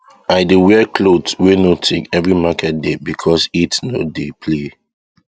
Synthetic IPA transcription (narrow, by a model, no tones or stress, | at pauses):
aɪduwɛkʰlodswenotʰĩŋɛvɹimakʰɛt̚debikʰɔsitnodepʰle